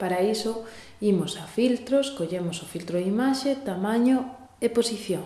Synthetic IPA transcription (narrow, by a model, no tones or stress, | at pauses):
paɾaiso | imʊsafilt̪ɾoskoʎemosofilt̪ɾoimaʃet̪amãɲo | eposiθjoŋ